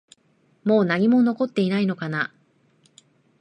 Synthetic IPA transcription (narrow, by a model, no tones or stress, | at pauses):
mo̞ːnaɲ̟imo̞no̞ko̞t̪ːe̞inaino̞kana